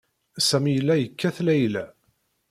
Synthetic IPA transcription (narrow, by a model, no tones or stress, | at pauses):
sæmijəlːæjəkːæθlæjlæ